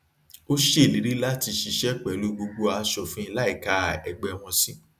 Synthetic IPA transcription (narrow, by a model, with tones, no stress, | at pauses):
o˦ʃe˦˨li˨˦ɾi˦la˦ti˧ʃi˧ʃɛ˦k͡pɛ˨lu˧˦ɡ͡bo˧ɡ͡bo˧a˧ʃɔ˨fũ˦i˧la˦i˦˨ka˨˦˨ɛ˧ɡ͡bɛ˧w̃ɔ̃˧sĩ˦